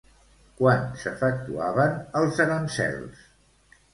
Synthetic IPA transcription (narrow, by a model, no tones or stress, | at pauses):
kwansəfək̚t̪uaβənəlˠzəɾənsɛ̰lˠs